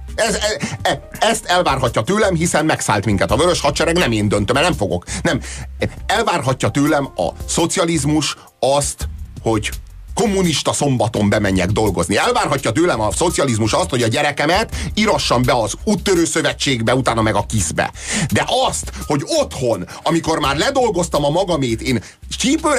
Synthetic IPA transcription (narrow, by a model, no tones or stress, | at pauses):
ɛzɛɛɛst̪ɛlvaːrɦɒcːɒt̪øːlɛmɦisɛnmɛksa̰ːlt̪miŋkɛt̪ɒvøɾøʃhɒt̪t͡ʃɛɾɛknɛmeːnd̪øn̪t̪ømɛlnɛmɱfo̞ɡo̞̰knɛmɛlvaːrɦɒcːɒt̪øːlɛmɒ̰so̞t̪sijɒlizmuʃ | ɒst̪ho̞ɟ | ko̞mːuniʃt̪ɒso̞mbɒt̪o̞mbɛmɛɲːɛɡd̪o̞lɡo̞zniɛlvaːrɦɒcːɒt̪øːlɛmɒso̞t̪siɒlizmuʃɒst̪ho̞ɟɒɟɛɾɛkɛmɛt̪iɾɒʃːɒmbɛɒzut̪ːøɾøːsøvɛt͡ʃːeːɡbɛut̪aːnɒmɛɡɒkizbɛ̰d̪ɛʔɒst̪ho̞ɟo̞t̪ho̞n | ɒmiko̞rmaːrlɛd̪o̞lɡo̞st̪ɒmɒmɒɡɒmeːt̪eːn | t͡ʃiːpø